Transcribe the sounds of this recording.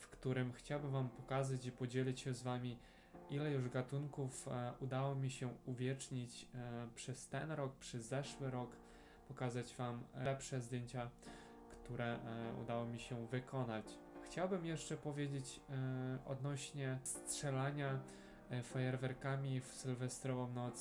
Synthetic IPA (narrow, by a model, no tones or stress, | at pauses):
fkt̪uɾɘmxt͡ɕawbɘmvampɔkazat͡ɕipɔd͡ʑelʲit͡ɕɕɛzvamʲi | ʔilɛjuʐɡat̪uŋkufud̪awɔmʲiɕɛuvʲjɛt͡ʂɲit͡ɕpʂɛst̪ɛnɾɔk̚pʂɛzːɛʂwɘɾɔk | pɔkazad͡ʑvamlɛpʂɛzd̪ʲjeɲt͡ɕa | kt̪uɾʔɛṵd̪awɔmʲiɕɛvɘkʰɔnat͡ɕ | xt͡ɕawbɘmjɛʂt͡ʂɛpɔvʲjed͡ʑet͡ɕ | ʔɔ̰d̪nɔɕɲɛstʂɛlaɲa | fajɛɾvɛɾkamʲifsɘlvɛst̪ɾɔvɔmnɔt̪s